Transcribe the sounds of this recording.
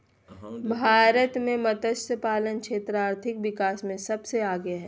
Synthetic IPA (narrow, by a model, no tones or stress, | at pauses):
bʱaːɾət̪mẽmɐt̪əst̪paːlənkʃeːt̪ɾaːɾt̪ʰɪkʋɪkaːsmẽsɐbseaːɡjaɦɛː